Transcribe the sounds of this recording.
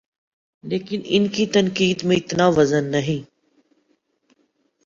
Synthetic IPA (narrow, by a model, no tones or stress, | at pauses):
leːkɪnɪ̰nkiːt̪ənkiːd̪mẽɪt̪naːʋəzənːəɦĩː